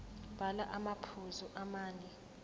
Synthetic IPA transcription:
b̥ʱalaʔamapʰuzɔʔamaːni

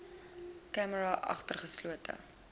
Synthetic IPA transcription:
kæməɾɐʔɐ̰χtərχəsluətə̰

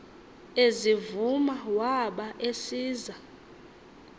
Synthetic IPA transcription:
ezivumawaɓaʔesiːza

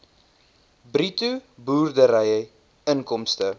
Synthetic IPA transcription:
britubuːrdəɾəjə | ənkɔmstə

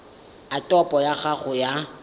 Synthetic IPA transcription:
atʼɔpʼɔjaχaɣʊja

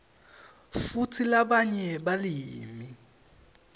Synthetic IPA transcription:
futʰilabaɲɛbaliːmi

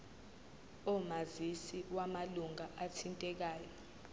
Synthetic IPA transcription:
ɔmazisiwamaluŋaʔatʰintʼɛk̬aːjɔ

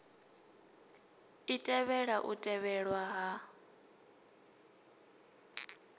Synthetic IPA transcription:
itʼɛβɛɺaʔutʼɛβɛɺwaɦa

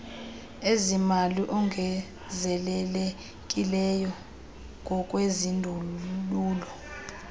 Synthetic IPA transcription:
ezimaliʔɔŋʱɛ | zɛlɛlɛ | kʼilɛjɔ | ŋɡʱɔkʼwezindʱuluːlɔ

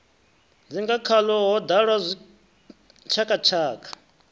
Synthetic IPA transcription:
d͡ziŋɡakʰalɔɦɔd̪aɺwazʷi | t͡ʃʰakat͡ʃʰaːkʰḁ

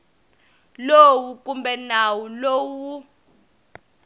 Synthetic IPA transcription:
lowukʼumbɛnawulowu

